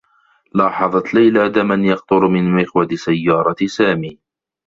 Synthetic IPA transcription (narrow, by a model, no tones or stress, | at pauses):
lɑːħɑðˤɑt̪lajlaːd̪amanjɑqt̪ʊɾmɪnmɪxwat̪sajːɑːɾˤɑsaːmiː